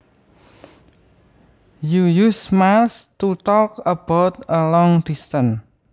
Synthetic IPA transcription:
jujusmalst̪ut̪ɔkəb̥awt̪əlɔŋd̪̥ist̪ən

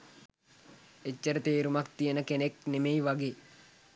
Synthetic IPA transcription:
ecːəɾət̪eːɾumak̚t̪ijənəkeneknemejʋaɡeː

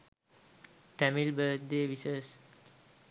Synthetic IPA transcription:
ʈɛmilbətdeʋisəs

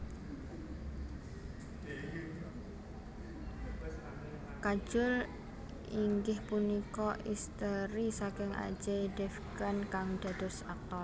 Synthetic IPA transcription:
kḁʒ̥ʊl | iŋɡɪhpunikɔʔist̪əɾisakɪŋʔa̰̥d͡ʒeɖɛfkankaŋd̪̥a̤d̪̥ɔ̤sak̚t̪ɔl

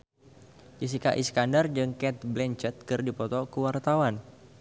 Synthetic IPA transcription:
d͡ʒis̬ikaʔiskandərd͡ʒɨŋkɛt̪̚blɛɲt͡ʃɛt̪̚kɨrdipɔt̪ɔkəwart̪awan

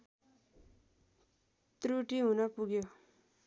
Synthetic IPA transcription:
t̪ɾuʈiɦunʌpuɡjo

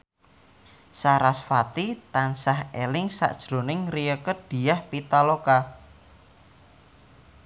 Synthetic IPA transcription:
saɾasfat̪it̪ansahelɪŋsa̰ʔd̥ʒ̥ɾo̤nɪŋrijəkəd̪̥i̤jahpit̪aloka

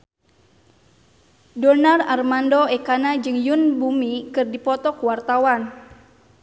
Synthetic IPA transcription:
dɔnararmandoɛkanad͡ʒɨŋjunbumikɨrdipɔt̪ɔkuwart̪awan

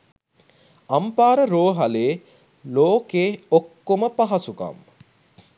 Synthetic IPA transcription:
ɐmpaːɾəɾoːɦɐleː | loːkeːokːoməpaɦɐsuka̰m

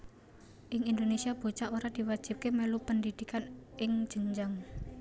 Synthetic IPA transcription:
ʔɪŋind̪onesiab̥o̤t͡ʃaʔoɾad̪̥i̤wad̥ʒ̥i̤p̚kemɛlupəndid̪̥i̤kanɪŋ̥ʒ̥əŋd͡ʒaŋ

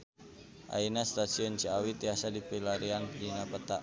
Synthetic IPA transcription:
ʔa̰inast̪asiɔnt͡ʃiawit̪iasadipilaɾiaŋkidinapət̪a

